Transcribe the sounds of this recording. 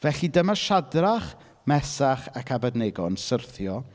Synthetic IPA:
vɛɬidəmaʃadraχ | mɛsaχakʰabadnɛɡɔ̰nsərθjɔ

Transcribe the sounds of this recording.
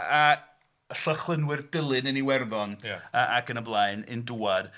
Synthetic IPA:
a | ɬɔχlˠənwɪrd̥əlˠɨnɨniwɛrðɔnəʔakənəblˠaɨnɨ̰nduːad̥

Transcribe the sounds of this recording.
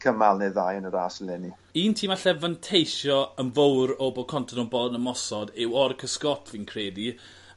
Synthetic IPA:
kʰəmalˠneðajənəɾaːsəlɛni | iːntʰiːmaɬɛvantʰejʃɔənvowɾɔbokʰɔntʰɔnɔbɔnəmɔsɔdɪwɔrkʰəskɔtʰvinkʰreːdi

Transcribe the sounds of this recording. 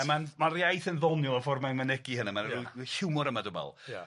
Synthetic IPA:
ɛmanmanrjajθənðɔnjʊlˠɔfɔrmamənɛɡihənamanuhɪwmʊɾəmadəbɛ̰lˠ

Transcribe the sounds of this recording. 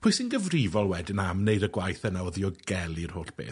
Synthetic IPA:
pʰʊsɪnɡəvrivɔlˠwɛdɪnamnejdəɡwajθənawɔðiɔɡ̥ɛlˠir̥hoːɬb̥ḛːθ

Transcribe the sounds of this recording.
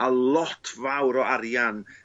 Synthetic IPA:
alˠɔtʰvawɾɔaɾjan

